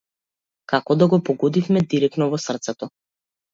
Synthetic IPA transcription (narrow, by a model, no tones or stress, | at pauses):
kakɔd̪aɡɔpɔɡɔd̪ifmɛd̪iɾɛk̚t̪nɔvɔsr̩t̪sɛt̪ɔ